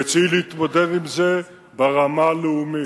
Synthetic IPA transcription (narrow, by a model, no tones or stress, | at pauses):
et͡sileit̪mod̪ed̪imze | beʁamaleumi